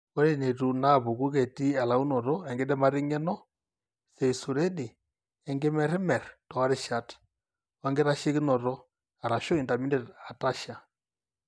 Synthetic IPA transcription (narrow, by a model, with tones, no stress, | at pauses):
ɔ˦ɾɛ˦nɛ˨tu˨na˦˨bʊ˨ku˦kɛ˨ti˦a˨la˨u˦nɔ˨ɾɔ˦ɛ˨ŋɡɛ˦dɛ˦ma˦ɾɪ˦ŋɛ˦nɔ˦ | sɛ˨su˨ɾɛ˦dɪ˨ | ɛ˨ŋɡɛ˦mɛ˨ɾɛ˦mɛ˨ɾtɔ˨wa˦ɾɛ˦ʃa˦t | wa˦ŋɡɛ˦ɾa˦ʃɪ˦kɪ˦nɔ˨ɾɔ˦ | a˨ɾa˨ʃɔ˦i˨nda˨mi˦ndɛ˦˨ta˨ta˦ʃa˨